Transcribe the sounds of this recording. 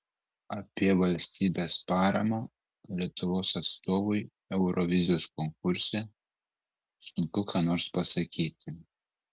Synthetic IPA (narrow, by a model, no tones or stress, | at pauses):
ɐpʲiɛʋɐlʲsʲt̪ʲiːbʲespɑːɾɐmo | lʲiɛt̪ʊʋoːsɐt̪st̪oːʋʊj | ɛʊɾɔʋʲɪzʲɪjoːskɔŋk̚ʊɾʲsʲɛ | sʊnk̪ʊkɑːnoːɾspɐsɐkʲiːt̪ʲɪ